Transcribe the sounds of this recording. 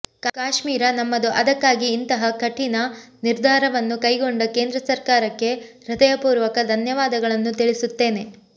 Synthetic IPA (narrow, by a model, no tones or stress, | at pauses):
kkaːʂmiːɾɐnɐmːɐd̪uʔɐd̪ɐkːaːɡiːnt̪ɐɦɐkʰɐʈːinɐ | niɾd̪ʱaːɾɐʋɐnːukɐjɡoɳɖɐke̞ːnd̪ɾɐsɐɾkaːɾɐkːe̞ | ɾɐd̪ɐjɐpuːɾʋɐkɐd̪ʱɐnjɐʋaːd̪ɐɡɐɭɐnːut̪iɭisut̪ːe̞ːne̞